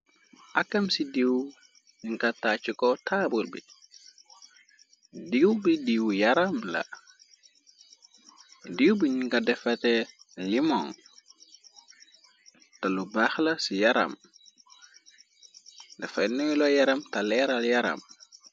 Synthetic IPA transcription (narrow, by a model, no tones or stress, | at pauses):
ʔakːɐmsidiw | ɲiŋkataːt͡ʃikɔtʰaːbulbḭ | diwbidiwjaɾamlɐ̰ | diwbiɲiŋkadɛfɐtɛlimɔŋ | talubaxlɐsijaɾɐ̰m | dɛfanuilɔjaɾɐmtalɛɾaljaɾɐ̰m